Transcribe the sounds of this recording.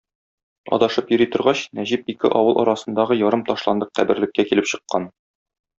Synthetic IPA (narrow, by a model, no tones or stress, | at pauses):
ɒ̰d̪ɑʃɤpjɵ̆ɾit̪ŏɾʁɑɕnæʑip̚ikɘ̰ʔɒwɤlˠɒ̰ɾɑsɤ̆nd̪ɑʁɤjɒɾɤmt̪ɒʃlˠɑnd̪ɤqqæbɘ̆ɾlɘ̆kːækilɘpɕɤ̆qːɑn